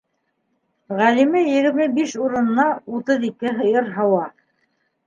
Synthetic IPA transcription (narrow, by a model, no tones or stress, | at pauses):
ʁælimɘjɘ̆ɣɘ̆ɾmɘbiʃuɾɤ̆nɤ̆nɑut̪ɤðikɘɦɤ̆jɤɾɦɑwɑ